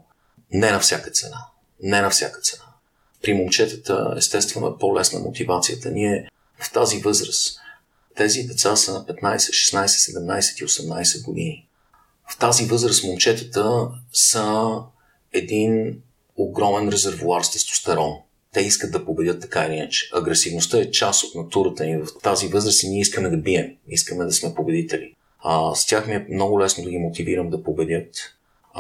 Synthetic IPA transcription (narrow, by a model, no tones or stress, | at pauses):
nɛnɐfsʲakə̥t̪sɛna | nɛnɐfsja̰kət̪sɛna | pɾimomt͡ʃɛt̪ə̥t̪ə̰ɛ̰st̪ɛst̪vɛno̰ɛ̰polɛsnə̰mʔo̰t̪ivat̪sijət̪əniɛ | ft̪azivɤzɾəs | t̪ɛzid̪ɛt̪sasəpɛt̪najsɛ̥t̪ʃɛ̥snajsɛt̪sɛd̪ɛmnajsɛ̥t̪iosɛmnajsɛd̪̚ɡod̪ini | ft̪azivɤzɾəsmomt͡ʃɛt̪ə̥t̪əsə | ɛd̪in | oɡɾɔmɛnɾɛzɛɾvuaɾst̪ɛst̪ʊ̥st̪ɐɾɔn | t̪ɛiskətd̪ɐpobɛdʲət̪ːɐ̥kailiinət͡ʃɛ̥ʔɐɡɾɛsivnost̪ɤɛt͡ʃasot̪nɐt̪uɾət̪əivɐft̪azivɤzɾəsniɛiskəmɛd̪ɐbiɛmiskəmɛd̪ɐsmɛpobɛd̪it̪ɛlḭ | st̪ʲaxmiɛmnɔɡʊlɛsnod̪ɐɡimot̪iviɾəmd̪ɐpobɛd̪ʲjɤt̪